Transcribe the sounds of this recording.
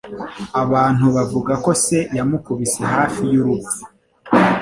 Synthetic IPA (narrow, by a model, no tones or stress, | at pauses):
aβaːn̥huβavuɡako̞se̞jamukuβiseɦaːfijuɾubzi